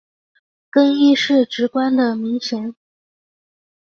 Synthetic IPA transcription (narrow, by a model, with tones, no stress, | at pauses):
kɤ˥ŋi˥˧ʂɻ̩˥˩ʈ͡ʂɻ̩˧˥kwa˥nd̪ə˨mi˧˥ŋɕjɛ˧˥ŋ